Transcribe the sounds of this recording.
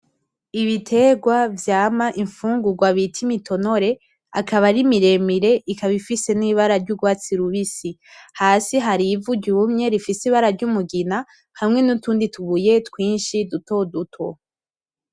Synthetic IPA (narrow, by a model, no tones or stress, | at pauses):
iβitʰe̞ɡwavjaːmaʔiɱfuːŋɡuɡwaβitʰimitʰo̞no̞ɾe̞ | akaβaɾimiɾe̞miɾe̞ʔikaβifise̞niβaɾaɾɟuɡwaːt͡siɾuβisihaːsiɦaɾivuɟumɲe̞ɾifisiβaɾaɾɟumuɡina | hamŋe̞nutuːndituβuje̞tkwiːnʃiduto̞dutʰo